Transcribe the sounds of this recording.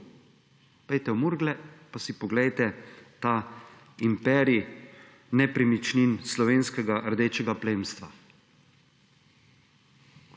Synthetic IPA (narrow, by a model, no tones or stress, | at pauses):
pɛjt̪ɛwmuɾɡlɛpasipɔɡlɛjt̪ɛt̪aː | impɛːɾi | nɛpɾɛmit͡ʃninslɔʋeːnskɛɡaʔɾd̪eːt͡ʃɛɡapleːmst̪ʋa